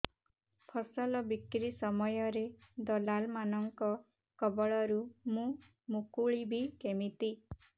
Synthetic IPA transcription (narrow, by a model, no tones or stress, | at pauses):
pʰɔsɔlɔbikɾisɔmɔjɔɾed̪ɔlalmanɔŋkɔ | kɔbɔɭɔɾumũ | mukuɭibʱikemit̪i